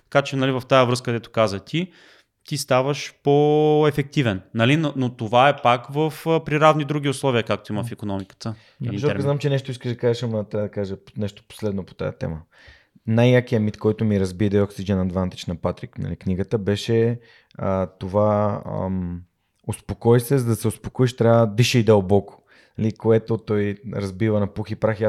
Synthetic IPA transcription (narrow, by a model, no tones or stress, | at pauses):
t̪ɐ̥kat͡ʃɛnɐlivɐft̪ajəvɾɤskəkəd̪ɛt̪ʊ̥kazət̪i | t̪ist̪avəʃpoɛfɛk̚t̪ivɛnːɐlinonot̪ovaɛpakvəfpɾiɾavnid̪ɾuɡʲiʊslˠɔviəkak̚t̪oimɐfikonɔmikə̥t̪ə | sɔzznamt͡ʃɛnɛʃt̪oiskəʒd̪ɐkaʒəʃɐmnt̪ad̪ɐkaʒənɛʃt̪o̥po̥slɛd̪nopo̥t̪a̰jɐ̰t̪ɛ̰mə | najːakiɐmit̪kɔjt̪omiɾɐzbiɛd̪ɛɔksid͡ʒɛnɐd̪vant̪i̥t͡ʃnɐpat̪ɾiknɐ̰likniɡət̪əbɛʃɛ | ət̪ova̰ | ospokɔjsɛzəd̪ɐsɛʊspokoiʃt̪ɾʲavəd̪iʃɛid̪ɐlˠbɔko̥ | nɐlikoɛt̪ot̪ɔjɾɐzbivənɐpuxipɾaxia